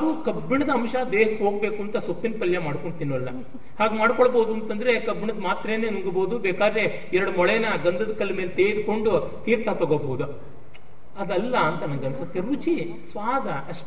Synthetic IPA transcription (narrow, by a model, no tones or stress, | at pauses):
ɐʋukɐbːiɳɐd̪ɐɐmʃɐd̪eːɦɐkːɦoːɡbeːkuɐnt̪ɐsopːinpɐljɐmaːɽkoɳɖt̪inːuʋɐlːɐ | haːɡmaːɽkoɭboːd̪uɐnt̪ɐnd̪ɐɾe̞kɐbːiɳɐd̪maːt̪ɾeːneːnuŋɡɐboːd̪ubɛːkaːd̪ɾe | ɛɾɐɽumɔɭɛjɐnɐɡɐnd̪ɐd̪ɐkɐlːɐmeːlet̪eːjd̪uko̞ɳɖu | t̪iːɾt̪at̪ɐɡoboːd̪u | ɐd̪ɐlːɐːnt̪ɐnɐɡɐmsɐkɐɾʋut͡ʃi | sʋaːd̪ʱɐɐʂʈ